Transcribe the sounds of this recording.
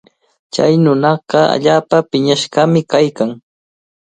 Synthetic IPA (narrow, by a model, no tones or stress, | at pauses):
t͡ʃa̰jnʊnɑɢɑa̰ʎaːpapɪɲaʃɢɑmɪkajkaŋ